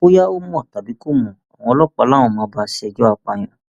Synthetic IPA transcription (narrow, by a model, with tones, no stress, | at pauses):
o˦ja˦o˦mũ˦ɔ˦˨ta˨bi˨˦ko˦˨mũ˨a˨w̃ɔ̃˧lɔ˦k͡pɔ˨˧˦lã˦˨ɔ̃˨mãː˨˧˦ba˦ʃɛ˧˦d͡ʒɔ˦a˦˨k͡pa˧j̃ã˨